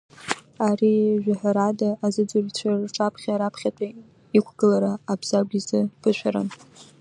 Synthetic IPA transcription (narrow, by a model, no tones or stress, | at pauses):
ariʒᶣaħaɾadaːzɨd͡zɨrt͡ɕʷʰarʈ͡ʂʼapʰχʲaɾapʰχʲatʷʼa | ikʷʰɡ̥ɨlaɾaːbz̥aɡʷizɨb̥ɨʃʷᶣaɾa̰n